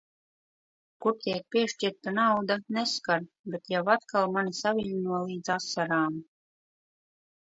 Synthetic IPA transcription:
kuɾt̪ʲiɛk̚pʲiɛʃt͡ʃiɾt̪anawd̪aneskaɾ | bet̪jawat̪kalˠmanisavʲiɲnuɔlˠiːd̪zasːaɾaːm

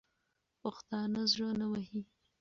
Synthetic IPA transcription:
pʊxt̪ɑnazɻənawaɦi

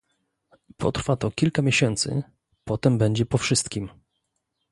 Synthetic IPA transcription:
pʰɔ̰t̪ɾfat̪ɔkʲilkamʲjeɕɛnt̪sɘ̰ | pɔt̪ɛmbɛɲd͡ʑɛpɔfʂɘst̪kʲim

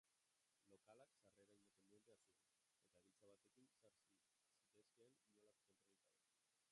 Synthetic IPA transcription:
lo̞kalaksareɾaind̪ape̞nd̪ie̞nt̪easuen | e̞t̪aðit͡saβ̞at̪e̞kinsaɾsi | sit̪eskeːnːolaksent̪ɾalit̪ae

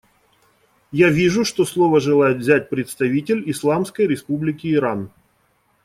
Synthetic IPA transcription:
javʲiʐʊʂt̪o̞slˠo̞vəʐɨlˠajɪt̪vzʲæt̚ʲpɾʲɪt̪st̪ɐvʲitʲɪlʲɪslˠamskəjɾʲɪspublʲɪkʲɪːɾan

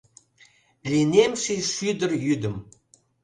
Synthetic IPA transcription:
lʲinemʃeʃyd̪ə̆rjyd̪ə̆m

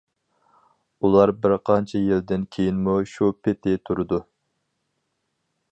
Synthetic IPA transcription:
ulˠɑɾbɪɾqʰɑnt͡ʃʰɛjild̪ɪnkʲʰejinmuʃupʰɪt̪ʰɪt̪ʰuɾɨd̪u

